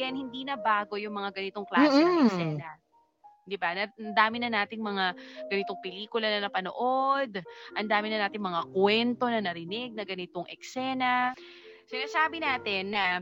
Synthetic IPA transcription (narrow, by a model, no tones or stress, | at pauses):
janhɪnd̪inɐbaːɡo̞jʊŋmɐŋaɡɐnɪt̪oŋklasssɛːnɐ | d̪ɪbanɐnd̪aːmɪnɐnaːt̪ɪŋmɐŋaɡɐnɪt̪o̞ŋpɛliːkʊlɐnɐnɐpɐno̰ʔo̞d̪ʔɐnd̪aːmɪnɐnaːt̪ɪŋmɐŋakwɛnt̪o̞nɐnɐɾɪnɪɡ̚nɐɡɐnɪt̪o̞ŋʔɛksɛnɐ | sɪnaːsaːbɪnaːt̪ɪnːɐ